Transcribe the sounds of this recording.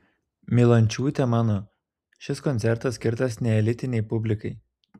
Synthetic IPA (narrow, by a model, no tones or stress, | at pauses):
mʲilˠɐnʲt͡ʃʲuːt̪ʲɛmɑːnoː | ʃʲɪskɔnʲt̪sʲɛɾt̪ɐsʲkʲɪɾt̪ɐsnʲɛɛlʲɪt̪ʲɪnʲɛɪpʊbʲlʲɪkɐɪ